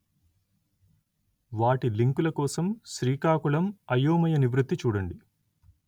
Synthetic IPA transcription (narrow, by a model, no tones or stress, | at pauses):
ʋaːʈiliŋkulɐkɔːsɐmʃɾiːkaːkuɭɐmɐjoːmɐjɐniʋɾut̪ːit͡ʃuːɽɐɳɖi